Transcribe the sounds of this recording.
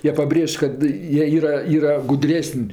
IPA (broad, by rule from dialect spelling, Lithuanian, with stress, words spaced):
ˈjiɛ pɐˈbʲrʲeːʃʲ kɐt ˈjiɛ ˈiːrɐ ˈiːrɐ ɡʊˈdʲrʲæːsənʲ